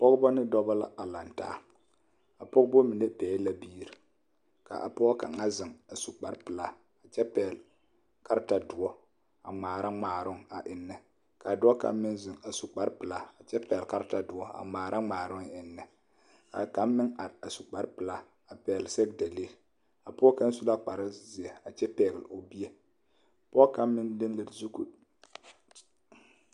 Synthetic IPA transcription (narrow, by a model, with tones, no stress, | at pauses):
pɔ˦ɣbɔ˦nɪ˦dɔ˦ba˦la̰˦a˨la˨nta̰ː˦ | a˨pɔ˦ɡbo˦mi˨ne˦pɛː˨˦la˦biː˦ɾi˨ | ka̰˨ʔa˨pɔ˦ɔ˦ka̰˨ŋa˦zɪ˨ŋa˨su˨k͡pa˦ɾpɨ˨la˦ | a˨t͡ʃɛ˦pɛː˨l | ka˦ɾta˨dʊ˨ɔ˦ | a˨ŋ͡maː˨ɾa˦ŋ͡maː˨ɾʊ˦ŋa˨ʔɪ˨nːɨ˨ | ka˨dʊ˦ɔ˦ka̰˨m˦mɪ˦nzɪ˨ŋa˨su˨k͡pa˦ɾpɨ˨la˨a˨t͡ʃɛ˦pɛː˨lka˦ɾta˨dʊ˨ɔ˦a̰˨ŋ͡maː˨ɾʔa˦ŋ͡maː˨ɾʊ˦ŋ˨ɪ˨nːɨ˨ | ka̰˨ka˨˦mɪ˦ŋa˨ɾa˨su˨k͡pa˨ɾpɨ˨la˨ | a˨pɛː˨lsɛ˦ɡda˨liː˦ɾ | a˨pʊ˦ɔ˦ka˦n˦su˦la˦k͡pa˨ɾa˦zi˨e˨a˨t͡ʃɛ˦pɛː˨ɡɪ˨lo˨bi˦e˦˨ | pʊ˦ɔ˦ka˦mmɪ˦ndɪ˦nlɨ˨lzu˦ku˨